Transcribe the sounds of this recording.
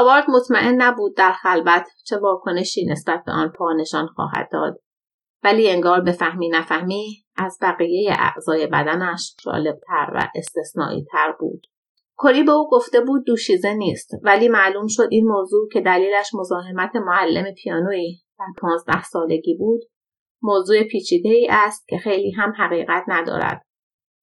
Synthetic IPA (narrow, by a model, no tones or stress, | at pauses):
ɒbɒːɾd̪mot̪ʰmæʔe̞nːæbuːd̪̚ːæɾxælbæt̪ʰt͡ʃʰe̞vɒːkʰo̞ne̞ʃiːne̞sb̥æt̪̚ʰbeʔɒːnpʰɒːne̞ʃɒːnxɒ̰ːɦæ̰d̪̚ːɒ̰ːd̪̥ | væliːe̞ŋɡɒːɾbe̞fæhmiːnæfæhmiː | ʔæzbæɣije̞jḛʔæ̰ʔz̥ɒːje̞bæ̰d̪ænæʃd͡ʒɒ̰ːleb̚t̪ʰæɾvæ̰ʔe̞st̪e̞snɒ̰ːʔḭːt̪ʰæɾbṵːd̪̥ | kʰo̞ɾiːbe̞uːɡo̞ft̪e̞buːd̪̚ːuːʃiːzeniːst̪væliːmæʔluːmʃo̞d̪iːnmoːzuːcʰe̞d̪æliːlæʃmo̞zɒːɦe̞mæt̪ʰe̞moælːe̞mepʰijɒːnoːiːd̪̥æɾpʰɒːnzd̪æ̰hsɒːle̞ɟiːbuːd̪̥ | moːzuːepʰiːt͡ʃʰiːd̪e̞iːʔæst̪̚cʰe̞xe̞jliːɦæmɦæɣiːʁæt̪ʰnæd̪ɒ̰ːɾæ̰d̪̥